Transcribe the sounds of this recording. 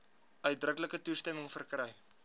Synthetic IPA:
œɥt̚drəkləkətustɛməŋfərkrɛj

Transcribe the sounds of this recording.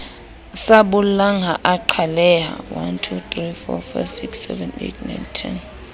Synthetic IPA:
saɓʊlaŋaʔaǃʰalɛɦa̰wa̰ntʰut̪rifɔ̰fasiksɛ̰vɛnḛtʰna̰jntʰin

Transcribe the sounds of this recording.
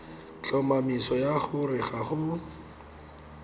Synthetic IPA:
t͡ɬɔmamisɔjaχʊrɪχaχʊ

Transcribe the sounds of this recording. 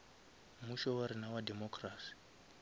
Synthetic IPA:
muʃɔwaɾinawademɔkraːsi̥

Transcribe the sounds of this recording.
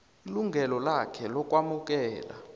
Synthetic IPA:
iluŋɡʱɛlɔlakʰɛlɔk̬ʼwamuk̬ʼɛːla̰

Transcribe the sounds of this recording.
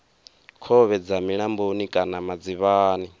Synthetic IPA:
kʰɔβɛd͡zamiɺambonikʼanamad͡ziβaːni

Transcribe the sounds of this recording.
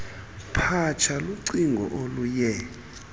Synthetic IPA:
pʰat͡ʃʰaluǀiŋɡʱɔ̰ʔolujɛ

